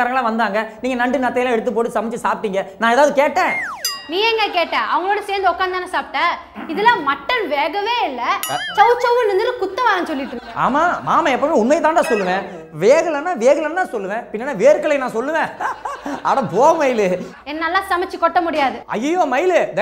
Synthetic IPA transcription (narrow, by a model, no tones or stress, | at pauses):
ɐɾɐŋɡɐɭlãːʋɐnd̪aːŋɡɐniːŋɡɐnɐɳɖɯnɐt̪ːɐjlãːɛɽɯt̪ːɯp̬ːoːʈːɯsɐmɪt͡ʃːɯsaːp̚ʈ̪ːiːŋɡɐnãːɛːðaːʋɯðɯkeːʈːẽːnĩːɛŋɡɐkeːʈːẽːʔɐʋɐŋɡɐɭoːɽɐseːɾnd̪ɯɔkːaːnd̪aːnɐsaːp̚ʈːɐ | ɪðɐlãːmɐʈːɐnʋeːɣɐʋeːɪlːɐt͡ʃɐʊt͡ʃɐʋɯnɪnd̪ɯɾɯkʊt̪ːɐʋaːɾɐnsɔlːɪʈːɾɯkkːa̰ːmaːmaːmɐɛpːɐmeːʊnmɐjt̪ãːʈ̪ãːsɔlːɯʋẽː | ʋeːɣɐlɐnːaːʋeːɣɐlɐnːt̪ãːsɔlːɯʋẽːpɪnːɐːnːaːʋeːɾɯkɐɭɐnãːsɔlːɯʋẽː | ɐ̰ɽɐ̃poːɐmɐjɪlɯ | ɛnːɐlːãːsɐmɐt͡ʃːɯkɔʈːɐmʊɽɪjaːðɯɐ̰jːɐjoːmɐjɪlɯd̪